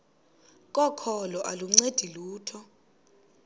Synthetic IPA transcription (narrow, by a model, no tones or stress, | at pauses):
k̬ʼɔkʰɔlɔʔalum̩ŋ͡ǀed̥ʱiluːtʰɔ